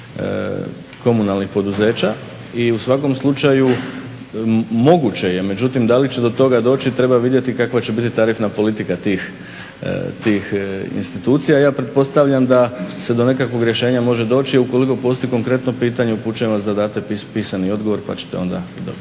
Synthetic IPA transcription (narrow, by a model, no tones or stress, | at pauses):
ko̞munalnixpo̞d̪uze̞ːt͡ɕa | iusʋako̞mslˠut͡ʃaju | mo̞ɡut͡ɕe̞je̞me̞d͡ʑut̪imd̪alit͡ɕe̞d̪o̞t̪o̞ɡad̪o̞ːt͡ɕit̪ɾe̞baʋid̪jet̪ikakʋat͡ɕe̞bit̪it̪aɾifnapo̞lit̪ikat̪iːx | t̪iːxḭnst̪it̪uːt̪sijaːjaːpɾe̞t̪̚po̞st̪aʋʎamd̪ase̞d̪o̞ne̞kakʋo̞ɡɾʲje̞ʃe̞ːɲamo̞ʒe̞d̪o̞ːt͡ɕiiuko̞liko̞po̞st̪iko̞ŋkɾe̞t̪no̞piːt̪aɲeupuːt͡ʃuemʋasd̪ad̪aːt̪epipiːsanio̞d̪ɡo̞ʋo̞ɾpa̰t͡ɕe̥t̪e̞̰o̞nd̪a̰d̪o̰b